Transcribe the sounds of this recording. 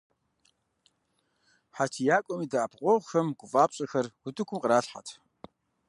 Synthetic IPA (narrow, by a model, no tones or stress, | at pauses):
ħat͡ʃʰijaːkʷʼɔmiːdaːpʰqʷʼɔʁʷxɐmɡ̥ʷʊfʼaːpɕʼɐxɐrwʊdɨkʷʰʊmqəɾaːɬħa̰tʰ